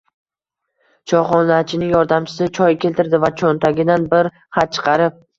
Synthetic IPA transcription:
t͡ʃʰɒχɒnlat͡ʃʰɪnɪŋjɒɾd̪amt͡ʃʰɪ̥sɪt͡ʃʰɒjkʲe̞lt̪ɪɾd̪ɪvat͡ʃʰont̪ʰaɡʲɪd̪anbɪɾ | χat̪̚t͡ʃʰɨ̥qʰɑɾɪp̚

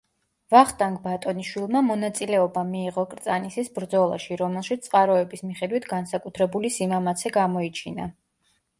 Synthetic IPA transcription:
vaχt̪ʼaŋɡʼbat̪ʼɔniʃwilˠmamɔnat̪sʼilɛɔbamiːʁɔkʼɾt̪sʼanisisbɾd̪zɔlˠa̰ʃiɾɔmɛlˠʃit̪sʼqʼaɾɔɛbismiχɛd̪wit̪ʰɡansakʼut̪ʰɾɛbulisimamat̪sʰɛɡamɔit͡ʃʰina̰

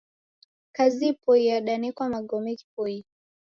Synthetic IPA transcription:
kazipɔiaɗanɛkwamaɡɔmɛki̥pɔi

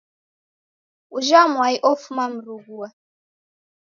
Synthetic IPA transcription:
uʒamwaiʔɔfumam̩ɾuɡuwa

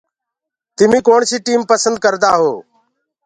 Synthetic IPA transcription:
t̪ɪmĩːkoːɳsiːʈiːmpəsənd̪̚kəɾd̪aːɦoː

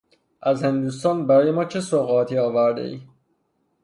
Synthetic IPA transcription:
ʔæzhe̞nd̪uːst̪ɒːnbæɾɒːje̞mɒːt͡ʃʰe̞soɣɒt̪ʰiːɒːvæɾd̪ḛʔiː

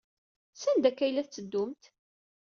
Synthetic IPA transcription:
sænd̪ækːæjlæθt͡sːəd̪ːʊmt̪

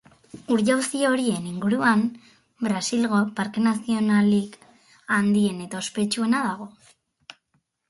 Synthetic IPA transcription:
uɾʝawsio̞ɾie̞niŋɡuɾuam | bɾasilɣo̞paɾkenasio̞nalik | and̪ie̞ne̞t̪aospe̞t͡ʃue̞naðaɣ̞o̞

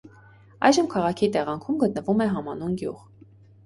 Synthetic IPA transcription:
ɑjʒəmkʰɑʁɑkʰit̪ɛʁɑŋkʰumɡət̪̚nəvumɛɦɑmɑnunɡjṵʁ

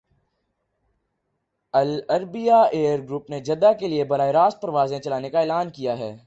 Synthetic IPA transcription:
ɐlɐɾbijaeːəɾɡɾuːpned͡ʒɐd̪akeliebɐɾaːeɾaːst̪̚pɐɾɐʋaːzẽt͡ʃɐlaːnekaeːlaːnkijaɦɛː

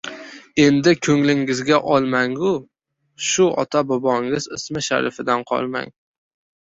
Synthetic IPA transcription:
e̞nd̪ɪkʲʰɵŋlɪŋɪzɡʲaʔɒlˠmaŋʊ | ʃʊɒ̰t̪ʰabobɒŋɪzɪsmɪʃa̰ɾɪ̰fɪd̪anqʰɒ̰lˠma̰ŋ

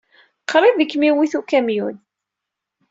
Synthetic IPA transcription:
qʰɾˤɪðəkːmiwiθukæmjun

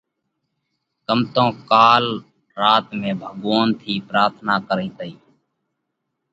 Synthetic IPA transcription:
kəmt̪õːkaːlː | aːt̪mẽːbʱəɠʋaːnt̪ʰiːpɾaːɾt̪ʰnaːkəɾĩːt̪əiː

